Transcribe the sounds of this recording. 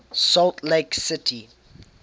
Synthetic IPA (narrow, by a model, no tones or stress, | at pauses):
sɔltleɪksɪtʰi